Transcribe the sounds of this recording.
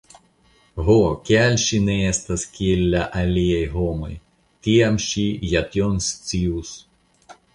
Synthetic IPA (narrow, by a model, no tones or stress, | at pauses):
ɣɔkʲalʲʃinɛɛst̪ɐsʲkʲilʲːɐʔɐlʲijajɦɔmɐ̰j | t̪ʲijamɕijat̪jɔnst͡s̪ʲiws